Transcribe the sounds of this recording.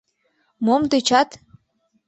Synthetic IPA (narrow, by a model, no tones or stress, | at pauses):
momt̪et͡ɕɑt̪